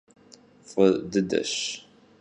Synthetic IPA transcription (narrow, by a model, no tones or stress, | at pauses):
fəd̪əd̪æ̰ʃ